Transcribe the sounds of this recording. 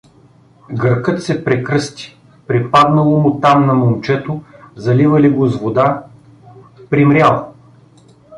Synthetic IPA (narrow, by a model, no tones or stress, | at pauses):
ɡəɾkɤt̪sɛpɾɛkɾɤst̪i̥ | pɾipad̪nɐlˠomʊt̪amnɐmomt͡ʃɛt̪ozɐlivɐliɡozvod̪a | pɾimɾʲjalˠ